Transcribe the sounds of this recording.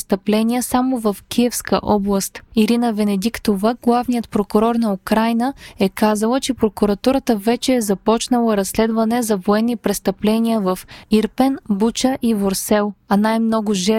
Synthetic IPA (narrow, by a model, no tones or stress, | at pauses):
st̪əplɛniəsamovəfkʲʰiɛfskə̰ʔɔblˠɐst̪iɾinəvɛnɛd̪ikt̪ovəɡlˠavnijət̪̚pɾokʊɾɔɾnɐukɾajnəɛkazɐlˠət͡ʃɛpɾokuɾɐt̪uɾət̪əvɛt͡ʃɛːzɐpɔt͡ʃnɐlˠəɾɐsːlɛd̪vɐnɛzɐvoɛnːipɾɛst̪əplɛniəvɐfiɾpɛnbut͡ʃəʔivoɾsɛlˠɐnajmnɔɡʊʒɛ